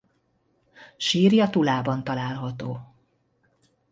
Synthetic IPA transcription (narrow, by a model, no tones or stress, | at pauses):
ʃiːrjɒt̪ulaːbɒnt̪ɒlaːlɦɒt̪oː